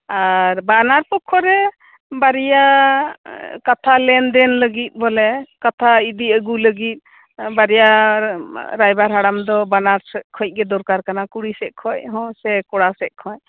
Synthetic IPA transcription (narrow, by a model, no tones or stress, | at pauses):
aɾbanaɾpɔkʰːɔɾɛ | baɾija | kat̪ʰalɛnd̪ɛnləɡit̪̚ˀbɔlɛkat̪ʰaid̪iəɡuləɡit̪̚ | baɾija | ɾajbaɾɦaɽamd̪ɔbanaɾsɛkʰɔc̚ɡɛd̪ɔɾkaɾkanakuɽisɛʔ̚kʰɔʔɦɔ̃sɛkɔɽasɛʔ̚kʰɔ